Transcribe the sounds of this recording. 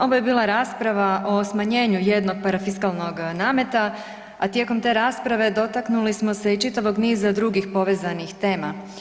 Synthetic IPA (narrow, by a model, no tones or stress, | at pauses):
o̞ʋojebiːlˠaɾaːspɾaʋaʔo̞smaɲe̞ːɲuje̞d̪no̞ɡ̚paɾafiskalˠno̞ɡnaːme̞t̪a | at̪je̞ko̞mt̪e̞ɾaːspɾaʋe̞d̪o̞t̪aknulismo̞se̞it͡ʃit̪aʋo̞ɡniːzad̪ɾuɡixpo̞ʋe̞ːzanixt̪e̞ːma